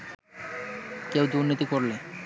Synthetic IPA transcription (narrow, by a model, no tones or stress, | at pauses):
kewd̪uɾnit̪ikoɾle